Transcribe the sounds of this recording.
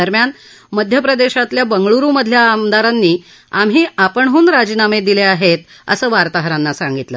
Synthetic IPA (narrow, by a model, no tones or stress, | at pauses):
əɾmjan | məd̪ʱjəpɾəd̪eɕat̪ljabəŋɡɭuɾuːməd̪ʱljaːmd̪aɾanːiː | amɦiːapəɳɦuːnɾad͡ʑinamed̪ileaɦet̪̚ | ə̰səːʋaɾt̪aɦɾanːasaŋɡit̪lə